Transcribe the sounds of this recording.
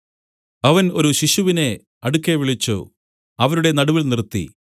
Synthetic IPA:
ɐʋɐno̞ɾuɕiɕuʋine̞ | ɐɽukːeʋiɭit͡ɕːṵ | ɐʋɐɾuɽe̞nɐɽuʋilnirt̪ːḭ

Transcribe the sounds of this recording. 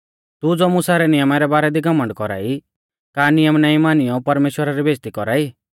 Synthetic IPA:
t̪ud͡zoːmʊsaɾɛnɪjəmaɾɛbaːɾɛd̪iɡɐmːə̃ɳɖkɔɾa̰ːi | kaːnɪjəmnaĩmaːnɪjɔpɐɾmeːʃwəɾaɾibeːst̪ikɔɾaːi

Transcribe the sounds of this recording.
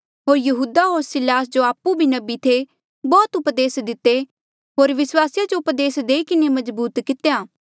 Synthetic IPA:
ɦoːɾjɐɦuːd̪aɦoːɾsɪlaːs̬d͡ʒoaːpːubʱinɐbit̪ʰe | bɔːt̪ʊpd̪eːsd̪ɪt̪ːe | ɦoːɾʋɪswaːsɪjad͡ʒoʊpd̪eːsd̪eːikɪnemɐzbuːt̪kɪt̪ejaː

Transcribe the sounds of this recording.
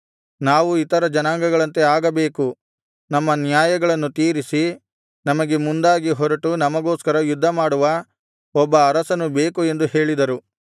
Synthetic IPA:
naːʋuit̪ɐɾɐd͡ʒɐnaːŋɡɐɡɐɭɐnt̪e̞aːɡɐbe̞ːku | nɐmːɐnjaːjɐɡɐɭɐnːut̪iːɾisi | nɐmɐɡe̞mund̪aːɡiɦɔɾɐʈunɐmɐɡoːskɐɾɐjud̪ʱːɐmaːɽuʋɐ | ɔbːɐːɾɐsɐnube̞ːkue̞nd̪uhe̞ːɭid̪ɐɾu

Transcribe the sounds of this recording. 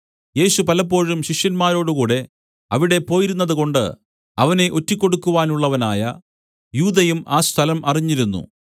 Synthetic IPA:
je̞ːɕupɐlɐpːo̞ːɻumɕiʂjɐnmaːɾo̞ːɽukuːɽe̞ | ɐʋiɽe̞po̞ːjiɾunːɐðuko̞ɳɖɨ̰ | ɐʋɐne̞ʔo̞tːikʲːo̞ɽukːuʋaːnuɭːɐʋɐnaːjɐ | juːd̪ɐjumaːst̪ʰɐlɐmʔɐriɲːiɾunːṵ

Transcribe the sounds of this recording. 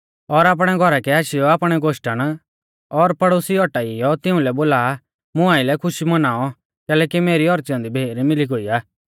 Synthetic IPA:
ɔɾaːp̬ɽ̃ɛɡʱɔɾakɛaːʃɪjɔaːpɽ̃ɛɡoʃʈəɽ̃ | ɔɾpɐɽoːsiɔʈaijɔt̪ɪ̃ʊ̃lɛboːlaː | mʊ̃aːɪlɛkʰʊʃimɐnaːɔ | kɛːlɛːkimeːɾiɔɾt͡ʃjɔ̃ːnd̪ibʱeːɾmɪliɡoiːaː

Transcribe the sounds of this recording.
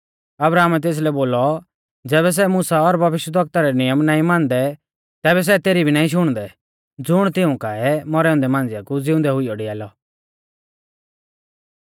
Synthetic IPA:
ɐbɾaːmɛt̪̬eːs̬lɛboːlɔ | d͡zɛːβɛs̬ɛmʊsaɔɾbʱɐʋɪʃwəd̪ʱɐk̚t̪aɾɛnɪjəmnaːĩmãːnd̪ɛ | t̪ɛːbɛs̬ɛt̪eːɾibʱinaːĩʃ̬ʊɽ̃d̪ɛ | d͡zʊɽ̃t̪ɪũkaːɛmɔɾɛʊ̃nd̪ɛmãːnd͡zjakud͡zɪʊ̃nd̪ɛɦʊiɔɽiaːlɔ

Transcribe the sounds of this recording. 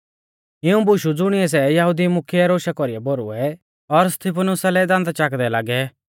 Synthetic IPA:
ɪũbʊʃud͡zʊɽ̃ɪɛs̬ɛjɐɦʊd̪imʊkʰiɛɾoːʃakɔɾiɛbɔɾṵɛ | ɔɾst̪ʰipʰənʊsalɛd̪ãnd̪at͡ʃaːkd̪ɛlaːɡɛ

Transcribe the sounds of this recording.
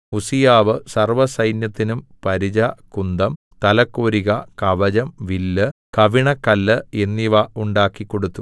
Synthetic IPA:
usijaːʋɨsɐrʋɐsɐjnjɐt̪ːinumpɐɾid͡ʑɐkund̪ɐm | t̪ɐlɐkːoːɾiɣɐkɐʋɐd͡ʑɐmʋilːɨkɐʋiɳɐkːɐlːɨe̞nːiʋɐuɳɖaːkːikːo̞ɽut̪ːu

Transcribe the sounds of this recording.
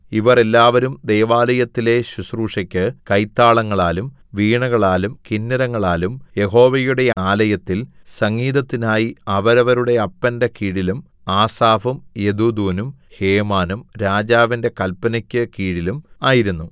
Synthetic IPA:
iʋɐre̞lːaːʋɐɾumd̪e̞jʋaːlɐjɐt̪ːile̞ɕusruːʂɐkʲːɨkɐjt̪ːaːɭɐŋːɐɭaːlum | ʋiːɳɐɣɐɭaːlumkinːɐɾɐŋːɐɭaːlumje̞ho̞ːʋɐjuɽe̞aːlɐjɐt̪ːilsɐŋɡiːðɐt̪ːinaːjiɐʋɐɾɐʋɐɾuɽe̞ɐpːɐnde̞kiːɽilum | aːsaːfumjed̪ud̪uːnum | he̞ːmaːnumɾaːd͡ʑaːʋinde̞kɐlpːɐnɐkʲːɨkiːɽilumaːjiɾunːu

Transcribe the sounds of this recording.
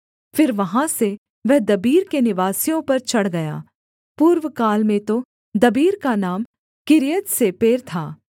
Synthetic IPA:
fɪɾʋɐɦãse | ʋɛɦd̪ɐbiːɾkenɪʋaːsijõpɐɾt͡ʃɐɽɡɐja̰ː | puːɾʋəkaːlmẽt̪o | d̪ɐbiːɾkanaːm | kɪɾijət̪sepeːɾt̪ʰaː

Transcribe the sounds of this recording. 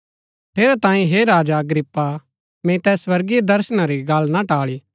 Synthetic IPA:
pʰeːɾɛt̪ãːĩɦeɾaːd͡ʒaɐɡɾɪpːa | mẽt̪ɛːswɐɾɡijed̪ɐɾsñaɾiɡɐlnaʈaːɭiː

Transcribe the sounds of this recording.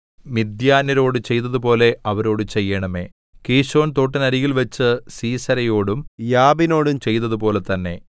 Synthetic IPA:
mid̪jaːnɐɾo̞ːɽɨt͡ɕe̞jnɐðupo̞ːle̞ɐʋɐɾo̞ːɽut͡ɕe̞jːɐɳɐme̞̰ː | kiːɕo̞ːnt̪o̞ːʈːɐnɐɾiɣilʋɐt͡ɕːɨsiːsɐɾɐjoːɽumjaːbino̞ːɽumt͡ɕe̞jnɐðupo̞ːle̞t̪ɐnːe̞̰

